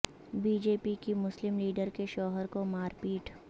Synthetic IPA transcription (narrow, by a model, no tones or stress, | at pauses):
biːd͡ʒeːpikimʊslɪmliːɖəɾkeʃɔːɦəɾkomaːɾpiːʈʰ